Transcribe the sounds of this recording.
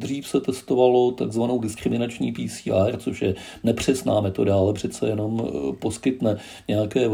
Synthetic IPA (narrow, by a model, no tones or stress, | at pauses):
d̪r̝iːfsɛt̪ɛst̪o̞valo̞t̪aɡzvano̞wdɪskɾɪmɪnat͡ʃɲiːpiːsiːʔart͡soʃjɛ | nɛpr̝̥ɛsna̰ːmɛt̪o̞daalɛpr̝̥ɛt̪t͡sɛ̰jɛno̞mpo̞skɪt̪nɛ | ɲɛjakɛː